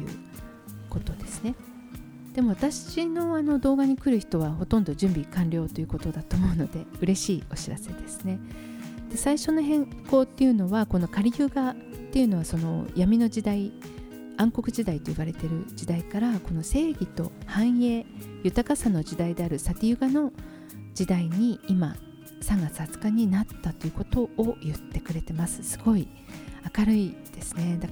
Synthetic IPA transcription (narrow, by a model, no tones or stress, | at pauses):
jɯ̟̰ | ko̞t̪o̞d̪e̞sɨ̥ne̞ | d̪̥e̞mo̞βat̪aɕino̞ano̞d̪o̞ːɡaɲ̟ikɯ̟ɾɯ̟çi̥t̪o̞βaɦo̞t̪õ̞nd̪o̞ʑɨ̃mbʲikãnɾʲo̞ːt̪o̞jiɯ̟ko̞t̪o̞d̪at̪o̞mo̞ɯ̟no̞d̪e̞ɯ̟ɾe̞ɕiːo̞ɕiɾa̰se̞d̪e̞sɨ̥ne̞ | d̪̥e̞saiɕo̞noɦẽ̞ŋko̞ːt̪ːe̞jɯ̟no̞βako̞no̞kaɾʲijɯ̟ɡa | t̪ːe̞jiɯ̟no̞β̞aso̞no̞̰jamʲino̞d͡ʑid̪ai | ãŋko̞kɯ̟ʑid̪ait̪o̞iβaɾe̞t̪e̞ɾɯ̟d͡ʑid̪aikaɾako̞no̞se̞ːɡʲit̪o̞̰hãɰ̃e̞jɯ̟t̪akasano̞ʑid̪aid̪e̞aɾɯ̟sak̪ʲijɯ̟ɡano̞ | d͡ʑid̪aiɲ̟iːma | sãŋɡat͡sɨ̥hat͡sɨ̥kaɲ̟inat̪ːat̪o̞jɯ̟ko̞t̪o̞ʔːjɯ̟t̪ːe̞kɯ̟ɾe̞t̪e̞masɨ̥sɨ̥ɡ̥o̞i | akaɾɯ̟id̪̥e̞sɨ̥ne̞d̪a